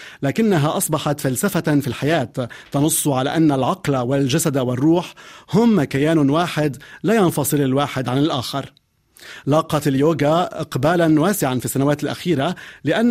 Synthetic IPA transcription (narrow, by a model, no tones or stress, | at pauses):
laːkɪnːaɦaʔɑsˤbɑħɑt̪falsafafilħajaːt̪ːɑnʊsˤːʕala̰ʔanːalʕɑqlawald͡ʒasad̪awɪrˤːuːħhʊmkajaːnwaːħɪd̪laːjɑnfɑsˤɨlalwaːħɪd̪ʕanɪlʔaːxɪɾˤ | lɑːqɑt̪aljoːɡaʔɪqbaːlanwaːsɪʕanfisːanawaːt̪ɪlʔa̰xiːɾalɪʔanː